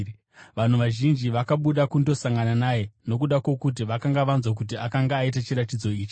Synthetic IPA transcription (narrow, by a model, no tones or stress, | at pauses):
ʋan̤uʋaʒind͡ʒiʋakaɓuɗakundo̞saŋɡananaːje̞no̞k̬uɗakwo̞kut̬iʋakaŋɡaʋanzwak̬ut̬iakaŋɡaːit̬at͡ʃiɾatid͡zo̞iːt͡ʃi̥